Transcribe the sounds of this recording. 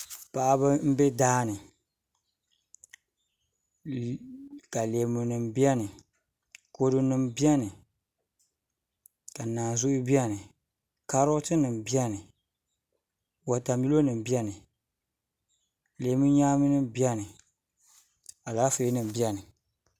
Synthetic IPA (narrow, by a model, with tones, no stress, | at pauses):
pa˨ʔa˦ba˦m̩˦be˦daː˦nɨ˨ | ka˨le˨mu˨nɨ˨mbi˦ɛ˦nɨ˨ | ko˨˦dɨ˦nɨ˨mbi˦ɛ˦nɨ˨ | ka˨naː˨n˨zʊ˦ʔʊ˦bi˦ɛ˦nɨ˨ | ka˦ɾo˦tɨ˦nɨ˨m˨bi˦ɛ˦nɨ˨ | wa˨ta˨m˦i˦lo˦nɨ˨m˨bi˦ɛ˦nɨ˨ | le˨˦mu˦ɲaː˦mi˦nɨ˦bi˦ɛ˦nɨ˨ | a˨laː˦fe˨i˦nɨ˨m˨bi˦ɛ˦nɨ˨